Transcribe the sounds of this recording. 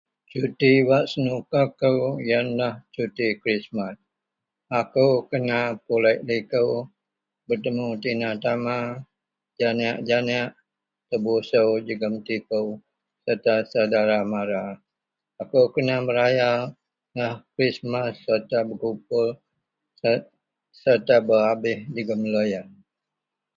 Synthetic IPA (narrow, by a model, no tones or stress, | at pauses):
t͡ʃut̪iwaʔsənukakəwjanlaht͡ʃut̪ikɾismas | akəwkənapulɛʔlikəw | bərt̪əmut̪inat̪ama | d͡ʒanaʔd͡ʒanaʔ | t̪əbusəwd͡ʒəɡəmt̪ipəw | sərt̪asawdaɾamaɾa | akukənabəɾaja | nahkɾismasərt̪abəkup̚ʊl | sərt̪abəabɪhd͡ʒəɡəmlojan